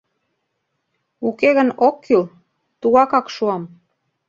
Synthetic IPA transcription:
ukeɣənokʰːyl | t̪uɣɑkɑkʃuɑm

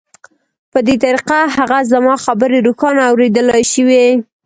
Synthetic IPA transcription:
pəd̪et̪aɾiqaɦaɣazamɑxabəɾeɾuxɑnaawɾed̪əlɑʃiwe

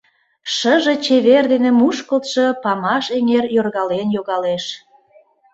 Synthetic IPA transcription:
ʃəʒe̽t͡ɕeβerd̪enemuʃkəlt̪ʃɤ̆pɑmɑʃeŋerjorɣɑlenjoɣɑleʃ

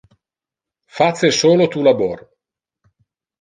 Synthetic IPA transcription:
fat̪sːesoːlot̪ulabor

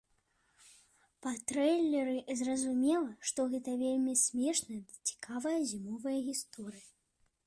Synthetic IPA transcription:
pɐt̪ɾɛjlʲːɛɾɨzrɐzumʲɛlˠɐʂt̪ɔɣɛt̪ɐvʲelʲmʲisʲmʲɛʂnɐjɐd̪ɐt͡sʲi̥kʰavɐjɐzʲimɔvɐjɐɣʲist̪ɔɾɨjɐ

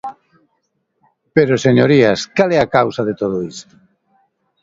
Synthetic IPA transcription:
peɾoseɲoɾiaskalɛakawsaðet̪oð̞ʊist̪ʊ̥

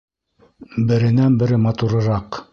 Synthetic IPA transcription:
bɘ̆ɾɘ̆nænbɘ̆ɾɘmɑt̪uɾɤ̆ɾɑq

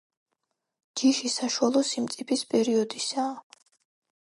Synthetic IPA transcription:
d͡ʒiʃisaʃualˠɔsimt̪sʼipʰispʼɛɾiɔd̪isaː

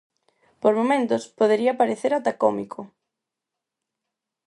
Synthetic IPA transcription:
poɾmomẽnt̪ʊspoð̞eɾiɐpaɾeθeɾat̪akɔmikʰo

